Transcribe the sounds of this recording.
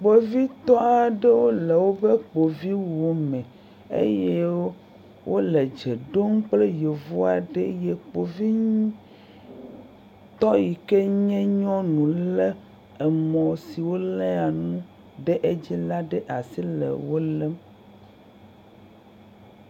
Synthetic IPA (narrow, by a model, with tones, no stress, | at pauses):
k͡po˨vi˦t̪ɔ˦a˨ɖe˦wo˦le˨wo˦be˦k͡po˨vi˦wo˨mɛ̃˨ | ḛ˦je˦ | wʔo˦le˨d͡ʒe˨ɖo˦ŋ̩˦k͡ple˦je˨vo˦a˨ɖe˦je˨k͡po˨vi˦ | t̪ɔ˦ji˨ke˦ɲɛ̃˦ɲɔ̃˦nũ˨lɛ˦ | ɛ˨mɔ̃˨si˨wo˦lɛ̃˦a˨nũ˦ | ɖe˦ʔe˦d͡ʑi˦la˦ɖe˦ʔa˨si˦lḛ˨wo˦lɛ˦m